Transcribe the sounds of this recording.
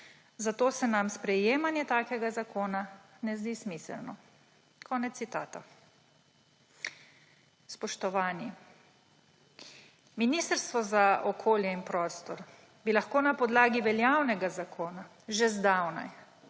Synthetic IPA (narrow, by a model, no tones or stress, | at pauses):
zat̪oːsɛnamspɾɛjeːmanjɛt̪aːkɛɡazakʰoːna | nɛzd̪ismisɛ̰lnɔ | kʰɔːnɛt̪ːit̪aːt̪a | spɔʃt̪ɔʋaːni | minist̪əɾst̪ʋɔzaʔɔkʰoːljɛinpɾɔːst̪ɔɾ | bilaxkoːnapɔd̪laːɡiʋɛljawnɛɡazakʰoːna | ʒɛzd̪awna̰j